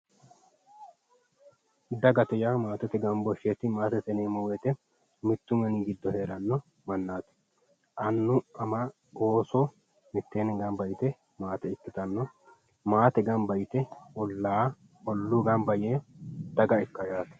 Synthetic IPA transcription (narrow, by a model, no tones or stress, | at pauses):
d̪ɐɡɐt̪ɛjaːmaːt̪ɛt̪ɛɡɐmbɔʃːet̪ɪmaːt̪ɛt̪ɛneːmɔwɛt̪ɛ | mɪt̪ːʊmɐniːɡɪd̪ːɔhe̞ːɾɐnːɔ | mɐnːaːt̪ɪ̥ | ʔɐnːʊʔɐma | oːsɔ | mɪt̪ːeːnɪŋɡɐmbɐjt̪ɛ | maːt̪ɛɪt̪ːɪt̪ɐnːɔ | maːt̪ɛɡɐmbɐjt̪ɛɔlːaː | ɔlːuːɡɐmbɐjeːd̪̥ɐɡɐɪkːɐjaːt̪ɐ̥